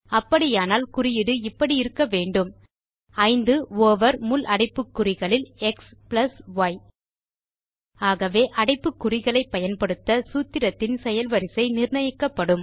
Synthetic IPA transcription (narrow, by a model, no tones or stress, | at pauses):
ɐpːɐɽɪjaːnaːlkʊrɪjɪɽɯɪpːɐɽiɪɾɯkːɐʋeːɳɖɯm | ɐɪnd̪ɯoːʋɐɾmʊlʔɐɽɪpːɯkːʊrɪɣɐɭɪlɛksplɐsʋɐj | aːɣɐʋeːʔɐɽɐɪpːɯkːʊrɪɣɐɭɐɪpːɐjɐnpɐɽɯt̪ːɐsuːt̪ːɪɾɐt̪ːɪnsɛjɐlʋɐɾɪsɐɪnɪrɳɐjɪkːɐpːɐɽɯm